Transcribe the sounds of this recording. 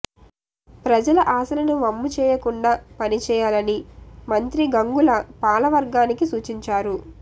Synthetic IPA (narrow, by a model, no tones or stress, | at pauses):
pɾɐd͡ʒɐlɐʔaːsɐlɐnuʋɐmːut͡ʃɛːjɐkuɳɖaːpɐnit͡ʃɛːjaːlɐnimɐnt̪ɾiɡɐŋɡulɐpaːlɐʋɐɾɡaːnikisuːt͡ʃiɲt͡ʃaːɾu